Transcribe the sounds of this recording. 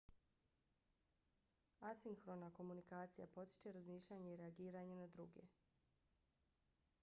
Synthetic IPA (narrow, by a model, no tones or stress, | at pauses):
asiŋxɾo̞nako̞munikaːt̪sija̰po̞t̪i̥t͡ʃe̞ɾazmiːʃʎaːɲeiɾeaɡiːɾaɲe̞nad̪ɾuɡḛ